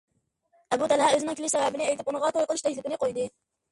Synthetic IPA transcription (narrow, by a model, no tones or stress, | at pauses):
ɛbut̪ʰælhæøzɪnɪŋkʲylɪʃsɛbæbɪnɪejt̪ɪpunɨʁɑt̪ʰojqəlˠɪʃt̪ɛjt̪p̪ɪnɪqʰojd̪ɨ